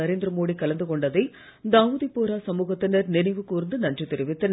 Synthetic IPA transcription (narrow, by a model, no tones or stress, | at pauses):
ɐɾeːnd̪ɾɐmoːɽikɐlɐnd̪ɯkɔɳɖɐðɐɪ | d̪aːʋuðipːoːɾaːsɐmuːɣɐt̪ːɪnɐɾnɪnɐɪʋɯkːuːɾɯnd̪ɯnɐndrit̪ːɪɾɪʋɪt̪ːɯn